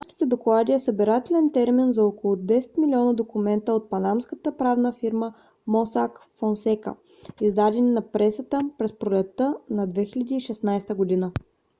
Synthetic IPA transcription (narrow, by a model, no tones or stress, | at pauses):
ʃk̪i̥t̪ɛd̪oklˠad̪iɛsəbiɾat̪ɛlɛnt̪ɛɾminzɐokolˠʊd̪ɛsɛ̥t̪milʲiɔnəd̪okumɛnt̪əot̪̚pɐnamskət̪əpɾavnəfiɾmə | mɔsakfonsɛkə̰ | izd̪ad̪ɛninɐpɾɛsət̪əpɾɛspɾolʲɛt̪ːənɐd̪vɛxilʲɐd̪iːʃɛsnajst̪əɡod̪inə